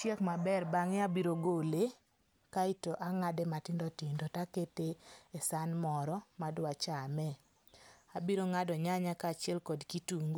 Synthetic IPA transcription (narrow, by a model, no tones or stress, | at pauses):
t͡ʃjɛkmabɛrbaŋeabiɾoɡole | kaitoʔaŋadematɪndɔtindɔtaketeesanmɔɾɔmadwat͡ʃamɛ | abiɾoŋadɔɲaɲakat͡ʃɪɛlkɔdkituŋɡu